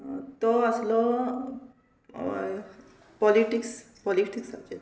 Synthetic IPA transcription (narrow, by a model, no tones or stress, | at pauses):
t̪ɔasilɔ | pɔliʈiks | pɔliʈiksat͡ʃe